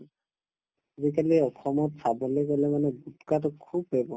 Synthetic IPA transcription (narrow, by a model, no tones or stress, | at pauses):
zikaliɔkʰɔmɔtsʰabɔleɡɔlɛmanɛɡutkat̪ɔkʰubɦebɔ